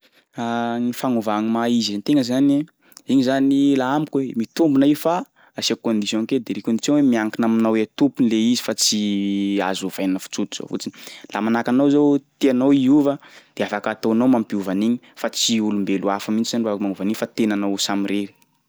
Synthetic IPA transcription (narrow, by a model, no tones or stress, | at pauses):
anifaŋovaŋimaizzant̪eŋəzani | iɲizanilaamikuemit̪umbunaifa | asakond̪isjõŋked̪eɾekond̪isjõwemiaŋkinaminawet̪upunleizifat͡sia̰zuv̥ajnnəfu̥t͡sut̪uz̥o̰fṵt͡sinilamanakanawzowt̪ianawiuvəd̪̥eafakat̪oanawmampiuvaniɲifat͡siulumbeluafamint͡ʃizaniruavakmaŋuvaniɲfat̪enanawsamiɾeɾi̥